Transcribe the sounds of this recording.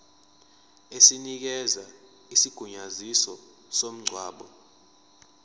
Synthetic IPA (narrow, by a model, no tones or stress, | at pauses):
esinik̬ɛza | isiɡ̥ʱuɲazisɔ | som̩ŋ͡ǀʱwaːɓɔ